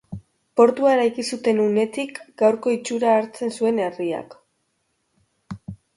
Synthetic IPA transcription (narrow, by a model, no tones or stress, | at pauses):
po̞ɾt̪uae̞ɾajkisut̪e̞nune̞t̪ikɡawɾko̞it͡ʃuɾaːɾt͡se̞nsue̞neria̰k